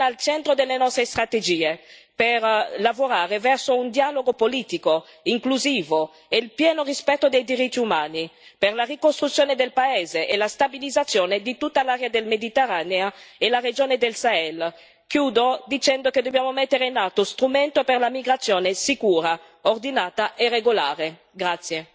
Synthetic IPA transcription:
alt͡ʃɛnt̪ɾod̪elːenɔst̪ɾest̪ɾat̪ed͡ʒiːeperlavoɾaːɾevɛrsound̪jaːloɡopoliːt̪iko | iŋkluziːvo | eilpjɛːnorispɛt̪ːod̪ejd̪iɾit̪ːiumaːniperlarikost̪ɾut̪sjoːned̪elpaɛːzeʔelast̪abilid̪zat̪sːjoːned̪it̪ut̪ːalaːɾjad̪elmed̪it̪erːaːneaelared͡ʒoːned̪elsaɛl | kjuːd̪od̪it͡ʃɛnd̪oked̪objaːmomet̪ːeɾeinat̪ːost̪ɾument̪operlamiɡɾat̪sːjoːnesikuːɾa | ord̪inaːt̪aʔereɡola̰ːɾe | ɡɾat̪sje

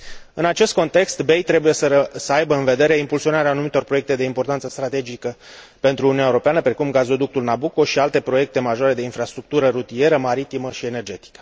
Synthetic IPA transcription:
ɨnat͡ʃe̞st̪̚ko̞nt̪e̞kst̪be̞jt̪ɾe̞buje̞səəsəajbəɨnve̞d̪e̞ɾe̞impulsio̞naɾeaːnumit̪o̞rpɾoe̞k̚t̪e̞d̪e̞impo̞rt̪ant̪səst̪ɾat̪e̞d͡ʒikə | pe̞nt̪ɾuːniunaeɾo̞peanəpɾe̞kumɡazo̞d̪uk̚t̪ulnabuko̞ʃialt̪e̞pɾo̞je̞k̚t̪e̞maʒoaɾe̞d̪e̞infɾast̪ɾuk̚t̪uɾəɾut̪ie̞ɾəmaɾit̪iməʃie̞ne̞rd͡ʒe̞t̪i̥kə̥

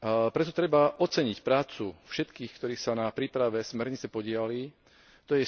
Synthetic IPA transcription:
pɾɛt̪ɔt̪ɾɛbaʔɔt͡sɛɲicpɾaːt͡sufʃɛt̪kiːxkt̪ɔɾiːsanapɾiːpɾaʋɛsmɛɾɲit͡sɛpɔɟɪali | t̪ɔjɛ

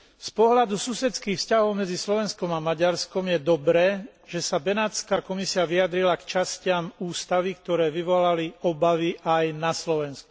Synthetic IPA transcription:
spɔɦlad̪ususɛt̪t͡skiːxfscaɦɔʊmɛd͡zislɔʋɛnskɔmamaɟaɾskɔmjɛd̪ɔbɾɛːʒ̥ɛsabɛnaːt͡skaːkɔmisiaʋiad̪ɾilakt͡ʃascɪamuːst̪aʋikt̪ɔɾɛːʋiʋɔlaliɔbaʋiʔajnaslɔʋɛnsku̥

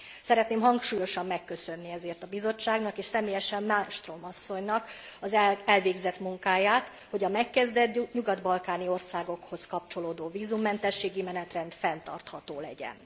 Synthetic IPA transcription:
sɛɾɛt̪neːmɦɒŋkʃuːjo̞ʃɒmːɛkːø̞sø̞nːiɛzeːrt̪ɒbizo̞t͡ʃːaːɡnɒkeːʃsɛmeːjɛʃɛmːalmʃt̪romɒsːo̞ɲnɒk | ɒzɛɛlveːɡzɛt̪muŋkaːjaːt̪ | ho̞ɟɒmɛkːɛzd̪ɛt̪ɲuɡɒd̪bɒlkaːnio̞rsaːɡo̞kho̞skɒp̚t͡ʃo̞loːd̪oːviːzumːɛnt̪ɛʃːeːɡimɛnɛt̪rɛnt̪fɛnt̪ɒ̰rt̪hɒt̪oːlɛɟɛ̰n

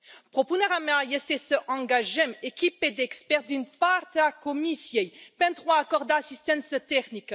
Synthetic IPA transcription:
pχɔpunaʁamajɛst̪esəʔɑ̃ɡaʒɛmekʲiped̪ɛkspɛʁd̪ynpaʁt̪akɔmisjɛjpɛ̃nt̪ʁwaːkɔʁd̪aːsist̪ɛ̃nsət̪ɛknik

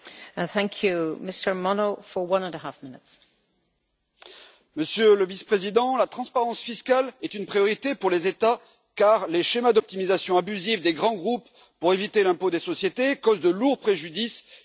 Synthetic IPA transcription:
θæ̃ŋkʰjʉmɪstə˞mɔnofəwʌ̃nə̃nəɦafmɪnɪts | məsjøləvispχezid̪ɑ̃lat̪χɑ̃spaʁɑ̃sfiskalɛt̪ynpχijɔʁit̪epuʁlezet̪a | kaʁleʃemad̪ɔp̚t̪imizasjɔ̃abyzifd̪eɡʁɑ̃ɡʁupː | uʁevit̪elɛ̃pod̪esɔsjet̪ekɔzd̪əluʁpχeʒyd̪is

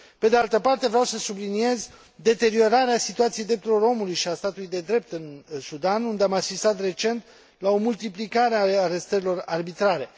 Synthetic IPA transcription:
pe̞d̪ealt̪əpart̪e̞vɾeawsəsublinije̞z | d̪e̞t̪e̞ɾio̞ɾaɾeasit̪uat̪siejd̪ɾep̚t̪uɾilo̞ɾo̞mulujʃiast̪at̪ulujd̪e̞d̪ɾe̞p̚t̪ɨnsud̪anund̪eamasist̪at̪re̞t͡ʃe̞nt̪ | lao̞mult̪iplikaɾeaːɾe̞st̪əɾilo̞rarbit̪ɾaɾe̞

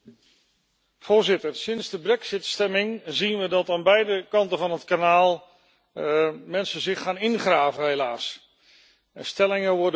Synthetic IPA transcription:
v̥ʊːɹzɪtərsɪnzdəbrɛksɪtstɛmɪŋzinʋədɑtaːnbɛjdəkɑntəvɑnətkanaːlˠ | mɛnsəzɪχaːnɪnχraːvəɦelaːs | əstɛlɪŋəʋɔɹdə

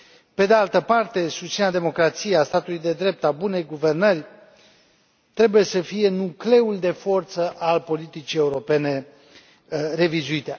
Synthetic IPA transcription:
pe̞d̪ealt̪əpart̪e̞sust̪sinead̪e̞mo̞kɾat̪sijeast̪at̪ulujd̪e̞d̪ɾe̞p̚t̪abune̞jɡuve̞rnərʲ | t̪ɾe̞buje̞səfije̞nukle̞uld̪e̞fo̞rt̪səʔalpo̞lit̪it͡ʃije̞uɾo̞pe̞ne̞ | re̞vizuit̪e̞

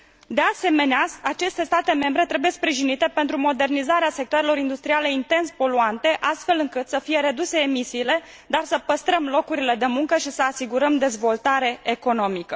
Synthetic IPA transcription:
d̪e̞ase̞me̞neaat͡ʃe̞st̪e̞st̪at̪e̞me̞mbɾe̞t̪ɾe̞buje̞spɾiʒinit̪e̞pe̞nt̪ɾumo̞d̪e̞rnizaɾease̞k̚t̪oaɾelo̞ɾind̪ust̪ɾiale̞int̪e̞nspo̞luant̪e̞ʔast̪fe̞lɨŋkɨt̪səfije̞ɾe̞d̪use̞ːmisiːle̞ | d̪arsəpəst̪ɾəmlo̞kuɾile̞d̪e̞muŋkəʃisəasiɡuɾəmd̪e̞zvo̞lt̪aɾe̞eko̞no̞mikə

